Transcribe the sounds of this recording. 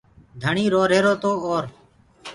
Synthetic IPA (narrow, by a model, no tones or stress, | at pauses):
d̪ʱəɳiːɾoːɾeːɾoːt̪oːoːɾ